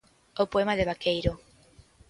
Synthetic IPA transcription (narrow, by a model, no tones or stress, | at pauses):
opoemaðeβakejɾo